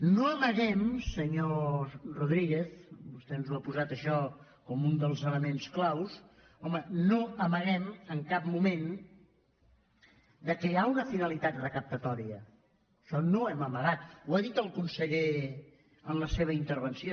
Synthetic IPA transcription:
noəməɣɛmsəɲoruðɾiɣ̞eθbust̪ɛnzuapuzat̪əʃɔ | kɔmund̪əlˠzələmensklaws | ɔmənoəməɣɛməŋkap̚mumen | d̪əkɛaunəfinəlit̪at̪rəkəp̚t̪ət̪ɔɾiəː | ʃɔnoɛməməɣat̪̚uaðit̪əlˠkunsəʎe | əmləseβ̞əint̪əɾβ̞ənsio

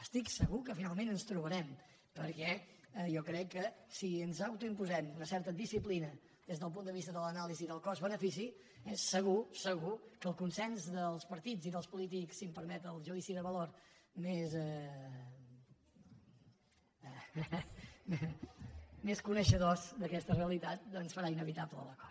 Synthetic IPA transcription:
əst̪iksəɣukəfinalˠmẽnənst̪ɾuβəɾɛm | pəɾkɛ | jɔkɾɛkːəsiənzawt̪uimpuzɛmunəsɛɾt̪əðisiplinə | ðezðəlˠp̬und̪əβist̪əðələnaliziðəlˠkɔzβənəfis̬i | ɛsːəɣusəɣukəːlˠkunsɛnzðəlˠspəɾt̪iziðəlˠspulit̪̬iksːimpəɾmɛt̪əlˠʒuðisiðəβəloɾmezɛ | m | meskunəʃəðozd̪əkɛst̪əreəlit̪at̪̚ənsfəɾainəβit̪apləlˠəkɔ̥

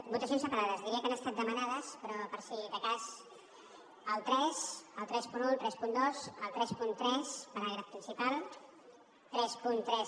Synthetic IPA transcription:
but̪əs̬ionsəpaɾaðəzðiɾiəkanəst̪at̪̚d̪əmənaðəspɾɔpəɾsiðəkas | əlˠt̪ɾɛsəlˠt̪ɾɛspununt̪ɾɛspund̪osəlˠt̪ɾɛspunt̪ɾɛspəɾaɾapɾinsipalˠ | t̪ɾɛspunt̪ɾɛs

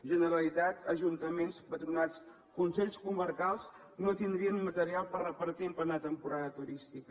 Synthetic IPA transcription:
ʒənəɾəlit̪at̪əʒunt̪əmenspət̪ɾunat͡s | kunsɛʎskuməɾkalˠs | not̪ind̪ɾiənmət̪əɾialˠpərrəpəɾt̪implanət̪əmpuɾaðət̪uɾist̪ikə

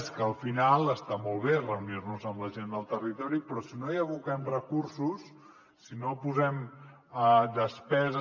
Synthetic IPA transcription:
skəːlˠfinalˠəst̪amolˠβerəunirnuzəmləʒend̪əlˠt̪ərit̪ɔɾipɾɔsinojəβukɛmrəkuɾsusː | inopuzɛm | əd̪əspɛzə

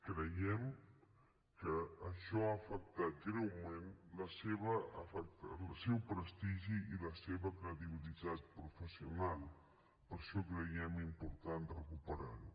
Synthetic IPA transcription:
kɾəjɛm | kəːʃɔaːfək̚t̪at̪̚ɡɾɛwmenləseβəəfək̚t̪sɛwpɾəst̪iʒiiləseβəkɾəðiβilit̪at̪̚pɾufəsiunalˠ | pəɾʃɔkɾəjɛmimpuɾt̪ant̪rəkupəɾa̰ɾu

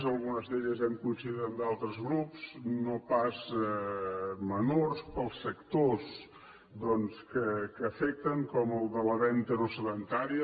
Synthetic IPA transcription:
zəlˠɣunəzðeʎəzɛmkuinsiðeɾənd̪alˠt̪ɾəzɣɾupsnopazɛ | mənorspəlˠsːəkt̪os | d̪ɔnskəkəːfɛk̚t̪əŋkɔməlˠd̪ələβɛnt̪əɾusəðənt̪aɾiə

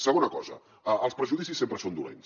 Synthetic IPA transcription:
səɣ̞onəkɔzə̰ | əəlˠspɾəʒuðisisːempɾəsond̪ulḛns

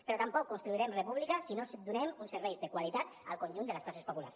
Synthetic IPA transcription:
pəɾɔt̪ampɔkːunst̪ɾuiɾɛmrepuβlikəsinosd̪unɛmunsəɾβɛjzðəkwalit̪at̪ə̰lˠkonʲʒund̪ələskasespopula̰ɾs

